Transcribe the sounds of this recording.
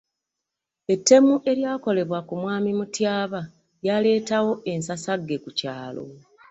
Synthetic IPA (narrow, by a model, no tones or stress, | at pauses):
e̞tːe̞muʔe̞ɾjaːko̞le̞βwakumwaːmimutjaːβa | jale̞ːtawo̞ʔe̞nsasaɡːe̞kucaːlo̞̰